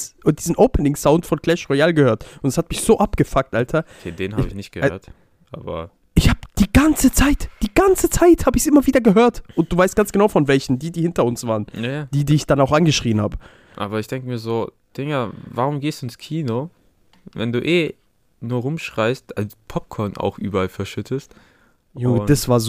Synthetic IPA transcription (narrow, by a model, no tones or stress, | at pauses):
sʔʊd̥iːzn̩ʔoʊpʰənɪŋsaʊntfɔnkl̥ɛʃʁɔaːlɡəhøːɐtʊntashatmɪçz̥oːʔapɡ̥əfak̚tʔaltʰɐkʰḛːdeːnhabɪçnɪçt̚ɡ̥ə̰hø̰ːɐt | ʔa̰ːbɐ̰ | ʔɪçhaːbəd̥iːɡant͡sət͡saɪtd̥iːɡant͡sət͡saɪthaːbəɪçsʔɪmɐviːdɐɡəɦøːɐtʔʊnt̚d̥uːvaɪstɡ̥ant͡sɡ̥ənaʊfɔnvɛlçn̩diːdiːhɪntɐʊnsv̥aːʁənjajaːd̥iːdiːɪçd̥anaʊxʔanɡəʃʁ̥iːənha̰ːbə | ʔa̰ːbɐɪçd̥ɛŋkəmiːɐzoː | d̥ɪŋəvaʁʊmɡeːsd̥uːɪnskʰiːno | vɛ̰nduːʔeː | nuːɐʁʊmʃʁ̥aɪstalpʰɔp̚kʰɔɐna̰ʊxʔy̰ːbɐalfɛɐʃʏtʰəst | jod̥asv̥aːɐz